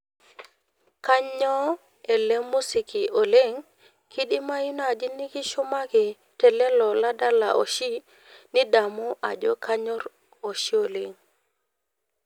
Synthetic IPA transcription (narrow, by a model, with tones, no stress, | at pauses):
ka˦ɲɔ˦ | ɛ˨le˦mu˦si˨ki˨ʔo˨le˦ŋ | ki˦ɗi˦ma˦ji˦na˨d͡ʒi˦ni˦ki˦ʃo˦ma˦ki˨ | tɛ˨lɛ˦lɔ˨la˦da˦la̰˨ʔo̰˨ʃi˦ | ni˦da˨mu˦ʔa̰˨d͡ʒɔ̰˦kʰa˦ɲɔ˦ɾ | o˨ʃi˦o˨le˦ŋ